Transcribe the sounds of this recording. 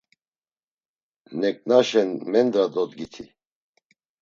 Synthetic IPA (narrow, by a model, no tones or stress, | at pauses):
nɛkʼnaʃɛnmɛnd̪ɾad̪ɔt̪ɡit̪ʰi